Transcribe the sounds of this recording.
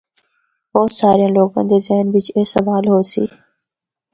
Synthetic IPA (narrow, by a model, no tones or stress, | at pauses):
bɔːt̪saːɾijãːloːkə̰̃ːd̪eːzeɦnʋɪt͡ʃeːsəʋaːlɦoːsḭː